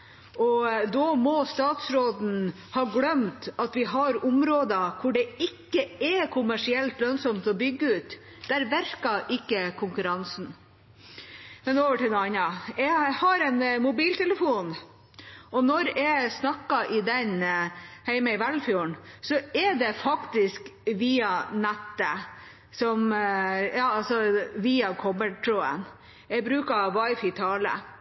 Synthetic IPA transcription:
ʔɔd̪ɔmɔst̪ɑːt̪sɾoːd̪n̩ | hɑːɡlœmt̪ɑt̪ʋɪɦɑɾʊmɾoːd̪əkʰʊɖɛɪkːəɛkʰʊmæʂɪɛlt̪lœnsɔmt̪ɔbʏɡːəʉːt̪ | d̪̥æɾʋæɾkɑʔɪkːəkʰʊŋkʉɾɑnsn̩ | mɛnoːʋəʈɪd̪ɑnɑjɛhɑɾɛnmʊbiːlt̪ʰɛləfuːn | ɔnɔɾɛsnɑkːɑʔɪd̪ɛn | hæɪmɛɪʋɛlfjuːəɳsɔɛd̪ɛfɑkt̪ɪskʋiːɑnæt̪ːə | sɔmjɑːɑlsɔʋiːɑkʰɔbəʈʰɾuːə̰n | ɛbɾʉːkɑʋɑɪfɪt̪ʰɑːlə̰

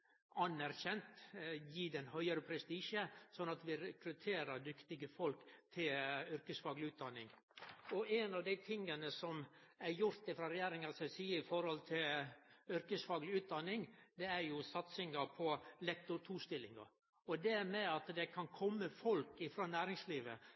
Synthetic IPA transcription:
ɑnːæɾçɛnt̪jiːd̪ɛnhœʏəɾəpʰɾɛst̪iːʂəsɔnːɑt̪ʋɪɾɛkɾʉt̪ʰeːɾəɾd̪ʏkt̪ɪɡəfɔlkt̪ʰɪlʏɾkəsfɑːɡlɪʉːt̪̚d̪ɑnːɪ̰ŋ | ɔʔɛnɑʋd̪æɪt̪ʰɪŋːənəsɔmæɾjʊɾt̪ɪfɾɑːɾɛjeːɾɪŋɑsɛsiːəɪfɔɾhɔlt̪ʰɪlʏɾkəsfɑːɡlɪʉːt̪̚d̪ɑnːɪŋd̪ɛæɾjʊsɑt̪sɪŋɑpʰɔlɛk̚t̪ʊt̪ʰuːst̪ɪlːɪŋɑ̰ | ɔd̪ɛmɛɑt̪d̪ɛkʰɑnkʰɔmːəfɔlkɪfɾɑːnæːɾɪŋsliːʋə

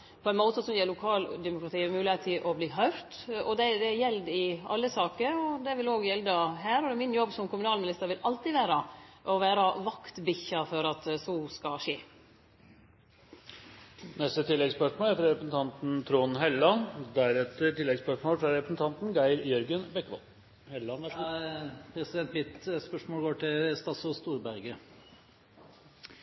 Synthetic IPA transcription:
pʰɔɛnmoːt̪əsɔmjɛːlʊkʰɑːld̪ɛmʊkɾɑt̪ʰiːɛmʉːlɪet̪ʰɪlʔɔbliːɦœʏɾt̪ɔd̪ɛd̪ɛjɛld̪ɪɑ̰lːəsɑːkəɾɔd̪ɛʋɪloːɡjɛld̪ɑɦæːɾɔd̪ɛmɪnjɔbːsɔmkʰʊmʉnɑːlmɪnɪst̪əɾʋɪlʔɑlt̪ɪʋæːɾɑʔɔʋæːɾɑʋɑkt̪bɪçːɑfɔɾɑt̪sɔskɑʂeː | nɛst̪ət̪ʰɪlːɛɡspœʂmoːlæɾfɾɑɾɛpɾəsn̩t̪ʰɑnt̪n̩t̪ʰɾoːnɦɛlːɑnd̪æɾɛt̪əʈ̪ɪlːɛɡspœʂmoːlfɾɑɾɛpɾəsn̩t̪ʰɑnt̪nɡæɪɾjœɾɡənbɛkːəʋɔ̰l | hɛlːɑnʋæ | pʰɾɛsɪd̪ɛnt̪mɪt̪spœʂmoːlɡoːʈɪlst̪ɑsʊst̪uːɾbæɾɡə

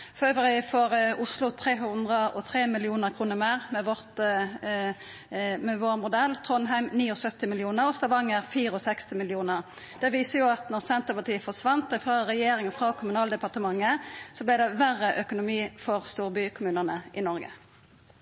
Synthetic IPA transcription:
fɔʁøːʋəʁɪfɔʁʊslʊt̪ʰʁeːɦʉnd̪ʁəʔɔt̪ʰʁeːmɪlɪuːnəʁkʰʁuːnəʁmeːʁmɛʋɔʁt̪ | mɛʋoːʁmʊd̪ɛlt̪ʰʁɔnɦæɪmniːɔsœt̪ːɪmɪlɪuːnəʁɔst̪ɑʋɑŋːəʁfiːʁəɔsɛkst̪ɪmɪlɪuːnəʁ | d̪̥ɛʋiːsəjʊɑt̪nɔʁsɛnt̪əpɑt̪iːəfɔʁsʋɑnt̪ɪfʁɑːʁɛjeːɾɪŋfʁɑːkʰʊmʉnɑːld̪ɛpɑʁt̪əmɑŋːəsɔblɛd̪ɛʋæʁːəʔœkʊnʊmiːfɔʁst̪uːʁbykʰʊmʉːnənəʔɪnɔʁɡə̰

